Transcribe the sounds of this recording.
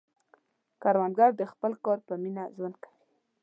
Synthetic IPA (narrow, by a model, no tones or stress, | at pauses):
kaɾwand̪ɡaɾd̪əxpəlkɑɾpəminaʒwand̪̚kḁwi